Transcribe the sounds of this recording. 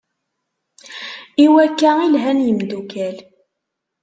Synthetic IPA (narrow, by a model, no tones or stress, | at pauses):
iwækːæilɦænjəmd̪ukæl